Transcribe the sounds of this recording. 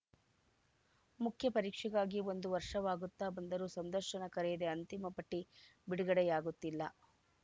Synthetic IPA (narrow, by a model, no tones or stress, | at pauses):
mukʰjɐpɐɾiːkʂɛɡaːɡio̞nd̪uʋɐɾʂɐʋaːɡut̪ːaːbɐnd̪ɐɾuːsɐnd̪ɐɾʂɐnɐkɐɾɛjɐd̪eɐnt̪imɐpɐʈːibiɽuɡɐɽɛjaːɡut̪ːilːɐ̰